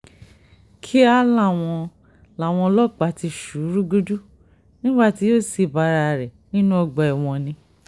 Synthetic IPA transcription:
kʰi˦a˦lã˦˨w̃ɔ̃˧ | la˨w̃ɔ̃˧lɔ˦k͡pa˨ti˧ʃu˨˦ɾu˦ɡo˦du˦ | nĩ˦ɡ͡ba˦˨ti˨˧˦jo˦˨si˧˨ba˧ɾa˧˨ɾɛ˨nĩ˦nũ˦ɔ˧ɡ͡bɔ˧ɛ˨w̃ɔ̃˧nĩ˧

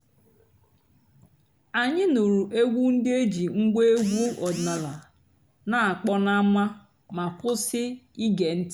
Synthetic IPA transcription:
a˨ɲɪ˦no˨ɾu˨ʔe˦ɡʷu˦n̩˦dɪ˦e˦d͡ʒi˨ŋ̩˦ɡʷe˦e˦ɡʷu˦ʔɔ˨dna˨la˨ | na˨a˨k͡pɔ˦na˦mʷa˦ | ma˨pʊ˦sɪ˦i˦ɡe˨n̩˦t

